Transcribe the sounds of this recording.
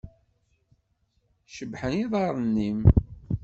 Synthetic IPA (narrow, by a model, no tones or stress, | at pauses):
ʃəbħəniðˤɑɾˤənːim